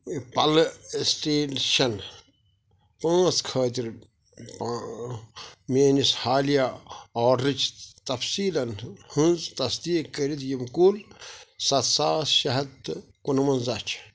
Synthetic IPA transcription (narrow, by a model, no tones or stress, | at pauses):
pɐlsʈeːʃɐn | pãːt͡skʰəːt̪̬iɾ | pa | meːnishaːlijaɔːɾɾɨt͡ʃʰt̪ɐfsiːlɐnhũnzt̪ɐsd̪iːkɐɾit̪jimkulsɐt̪saːʃɐɦɐt̪ | kunmɐnzɐt͡ʃʰ